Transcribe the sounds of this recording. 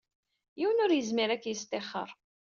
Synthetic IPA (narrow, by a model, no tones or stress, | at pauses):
jiwənʊɾjəzmɪɾækːjəst̪ɪχːə̰ɾˤ